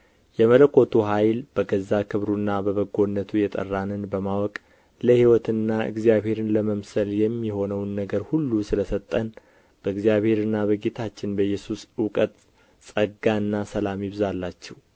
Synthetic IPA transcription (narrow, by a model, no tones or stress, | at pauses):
jɛmələkʼːo̞t̪ʰuɦajlbəɡəzːakʰɨβɾunːabəβəɡːo̞nːət̪ʰujɛt̪ʼə̰rːanɨnbəmawɔkʼ | ləhiwɔt̪ɨnːaʔɨ̰ɡzijaβhe̞ɾɨnləməmsəljɛmːiho̞nəwnːəɡəɾhulːusɨləsət̪ʼːən | b̥əɨɡzijaβhe̞ɾɨnːabəɡet̪ʰat͡ʃːɪnbəjːɛsusɨwkʼət̪ʼ | sʼəɡaɨnːasəlamjɪβzalːat͡ʃːɛw